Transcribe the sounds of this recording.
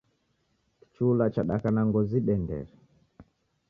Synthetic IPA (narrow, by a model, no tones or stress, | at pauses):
ki̥t͡ʃulat͡ʃaɗa̰kanaŋɡɔziɓɛndɛ̰ɾ